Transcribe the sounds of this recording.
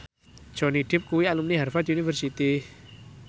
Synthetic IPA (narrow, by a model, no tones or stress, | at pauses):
d̥ʒ̥ɔ̤niɖ̪̥ɪp̚kuwialumniɦarfat̪unifərsit̪i